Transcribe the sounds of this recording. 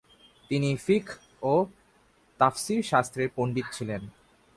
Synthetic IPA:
t̪inifikʰ | o | t̪afsiɾʃast̪ʰɾeɾpoɳɖit̪̚t͡ɕʰilen

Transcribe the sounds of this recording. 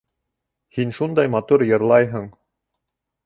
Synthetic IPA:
hinʃund̪ɑjmɑt̪uɾjɤ̆ɾlˠɑjɦɤɴ

